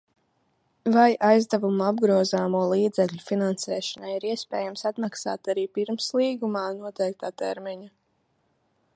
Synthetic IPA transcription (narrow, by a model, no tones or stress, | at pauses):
vajʔajzd̪avumabɡɾuɔzaːmuɔlˠiːd̪zɛkʎʲufinansɛːʃɔnajiɾiɛspɛːjamsat̪maksa̰ːt̪aɾiːpiɾmslˠiːɡumaːnuɔt̪ɛjk̚t̪aːt̪ɛ̰ɾmiɲa